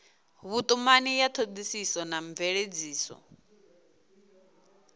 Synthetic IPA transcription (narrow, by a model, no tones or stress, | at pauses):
βut̪ʼumanijat̪ʰod͡z̪isisɔnaɱb̪vɛɺed͡ziːsɔ̰